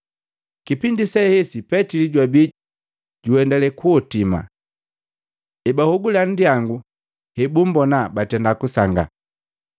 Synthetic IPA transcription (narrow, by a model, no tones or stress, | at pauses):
kipindisɛhɛsipɛtiliɟwabi | ɟuɛndɛlɛkuɔtima̰ | ɛbahuɡulan̩diaŋɡu | hɛbum̩bɔnabatɛndakusaŋɡa̰